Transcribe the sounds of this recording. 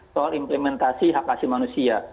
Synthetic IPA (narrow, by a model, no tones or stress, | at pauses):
sɔalimplɛmɛnt̪asiɦakːasimanusia